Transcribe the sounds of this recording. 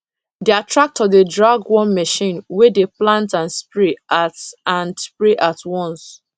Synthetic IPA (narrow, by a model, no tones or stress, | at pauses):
deatʰɹak̚tɔdedɹaɡwɔ̃nmɛʃĩnwedeplãntãnspɹiʔatãnspɹeʔatwɔ̃ns